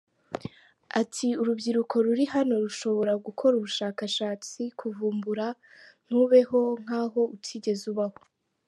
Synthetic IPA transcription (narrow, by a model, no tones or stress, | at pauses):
atʰiuɾubɟiɾukʰo̞ɾuɾiɦano̞ɾuʃo̞βo̞ɾaɡukʰo̞ɾuβuʃaːkaʃaːt͡sikʰuvuːmbuɾa | n̥huβe̞ho̞ŋ̥aːɦo̞utʰiːɟe̞zuβaho